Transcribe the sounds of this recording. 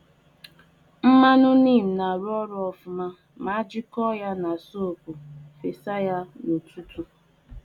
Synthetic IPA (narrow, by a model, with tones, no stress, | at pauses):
m̩˦ma˦nʊ˦ni˦˨m̩˨na˨ɾɔ˦ɾʊ˦ɔ˨fʊ˨ma˦ | ma˨˦a˦d͡ʒɪ˦kɔ˦ja˦na˨so˦˨kʷu˨fe˨sa˦ja˦no˨tu˦tu˦